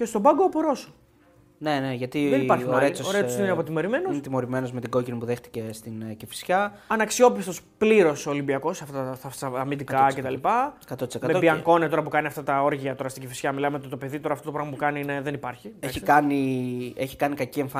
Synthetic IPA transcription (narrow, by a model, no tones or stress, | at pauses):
ce̞st̪o̞bɐɡoːpoɾo̞su̥ | ne̞ne̞ʝɐt̪ieaɾoɾeseosnneɐpot̪imo̞ɾime̞noinet̪imo̞ɾime̞nozmet̪iɡo̞cinipuðe̞xt̪i̥ce̞st̪incifi̥sçɐ | ɐnɐksio̞pist̪o̞spliɾo̞solimbiɐko̞sɐft̪oθɐfsɐɐmid̪ik̪ɐcet̪ɐlipɐkɐt̪ot̪isekɐmepiɐŋko̞net̪o̞ɾɐpukɐniɐft̪ɐt̪ɐo̞ɾʝiɐt̪o̞ɾɐst̪iɲcifisçɐmilɐmeot̪et̪ope̞ðit̪o̞ɾɐːft̪otoɾɣmɐpukɐnineðe̞nipɐɾçieçikɐnie̞çi̥kɐnikɐcieɱfɐ